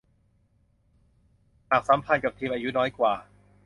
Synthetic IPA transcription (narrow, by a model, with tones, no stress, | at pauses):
haː˨˩k̚sa˩˦mpʰa˧nka˨˩p̚t̪ʰiː˧mʔaː˧ju˦˥nɔː˦˥jkwaː˨˩